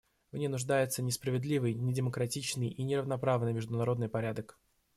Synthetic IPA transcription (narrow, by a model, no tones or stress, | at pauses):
vnʲejnʊʐd̪ajɪt̪sənʲɪspɾəvʲɪd̪lʲivɨjnʲɪdʲɪməkɾɐtʲit͡ɕnɨjʔinʲɪrəvnɐpɾavnɨjmʲɪʐd̪ʊnɐɾo̞d̪nɨjpɐɾʲad̪ək